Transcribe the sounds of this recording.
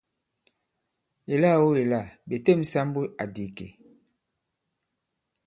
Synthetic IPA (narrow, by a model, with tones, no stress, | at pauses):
e˨la˦˨wo˦e˨la˦˨be˨te˦˨m̩˦sa˦m˦bu˦a˨di˨kḛ˨